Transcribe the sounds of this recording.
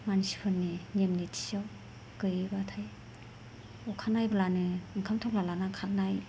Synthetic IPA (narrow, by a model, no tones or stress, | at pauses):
manisi̥pʰɯnːinemnitʰi̥saw | kɯjibatʰaj | ɔkʰanajbalanɯɯŋkʰamtʰɔp̚lalanakʰanaj